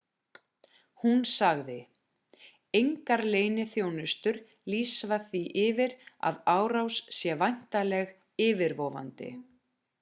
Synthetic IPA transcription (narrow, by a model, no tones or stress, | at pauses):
hunsaɣðɪ | ejŋkaɾleːjnɪθjoːwnʏst̪ʏɾ | liːsvaθiʔɪːvɪɾa̰ðaːwɾawssjɛvajn̥t̪alɛɣ | ɪːvɪɾvɔːva̰nt̪ɪ̰